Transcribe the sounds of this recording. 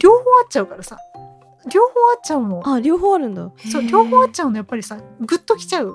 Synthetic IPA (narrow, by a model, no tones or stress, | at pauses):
ɾʲo̞ːhoːat̚t͡ɕaɯ̟kaɾasa̰ | ɾʲo̞ːhoːatt͡ɕaɯ̟no̞aɾʲo̞ːɦoːaɾɯ̟̃nd̪a̰so̞ːɾʲo̞ːhoːat̚t͡ɕaɯno̞japːaɾʲisaɡɯ̟t̪ːo̞kʲi̥t͡ɕaɯ̟